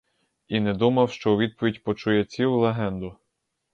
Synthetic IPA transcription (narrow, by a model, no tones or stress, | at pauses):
inɛd̪umɐwʃt͡ʃɔuʋʲid̪̚pɔʋʲidʲpɔt͡ʃujɛt͡sʲiwlˠeɦɛnd̪ʊ